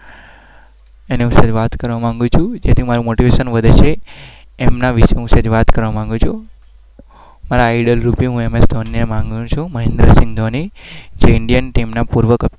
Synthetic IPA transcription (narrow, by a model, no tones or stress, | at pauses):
eneɦũsəd͡ʒʋat̪kəɾʋamãŋɡũt͡ʃʰũd͡ʒet̪ʰimaɾumoʈiʋeʃənʋəd̪ʱet͡ʃʰeː | mnaʋiʃeɦũsed͡ʒʋat̪kəɾʋamãŋɡũt͡ʃʰu | maɾaːiɖəlɾupiɦũemest̪onːnemãŋɡũt͡ʃʰũməɦend̪ɾəsɪ̃ŋɡd̪ʱonid͡ʒeɪɳɖijənʈimnapuɾʋəkə